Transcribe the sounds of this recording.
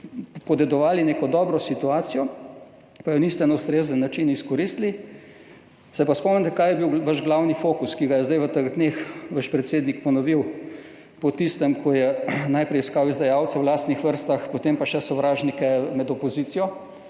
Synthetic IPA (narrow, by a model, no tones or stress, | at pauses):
pɔd̪ɛd̪ɔʋaːlineːkɔd̪ɔːbɾɔsit̪uaːt̪sijɔ | pajɔnist̪ɛnɛwst̪ɾeːzənːat͡ʃiniskɔɾist̪li | sɛpaspɔmnɛnt̪ɛkaːjɛbiwʋaʒɡlawnifoːkuskiɡajɛzd̪ajʋət̪əɣd̪neːxʋəʃpɾɛt̪seːd̪nikpɔnɔʋiw | pɔt̪ist̪ɛmkʰɔjɛnajpɾɛjskawizd̪ajaːwt̪sɛwlaːst̪nixʋəɾst̪axpɔt̪empaʃɛsɔʋɾaːʒnikɛmɛd̪ɔpɔziːt̪sijɔ